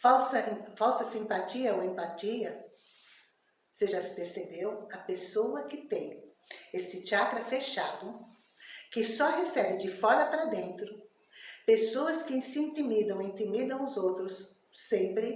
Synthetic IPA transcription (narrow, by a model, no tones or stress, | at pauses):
fawsɐ̃fawsɐsĩmpat͡ʃiɐoẽmpat͡ʃiɐ | seʒasɪ̥peɾsebewɐpesowɐkɪt̪ẽj̃esɪt͡ʃiakɾɐfeʃad̪ʊ | kɪsɔhesɛbɪd͡ʒɪfɔɾɐpɾɐd̪ẽnt̪ɾʊ | pesoɐskɪsiĩnt̪imid̪ɐ̃w̃ĩnt̪imid̪ɐ̃w̃ʊzowt̪ɾʊsː | ẽmpɾɪ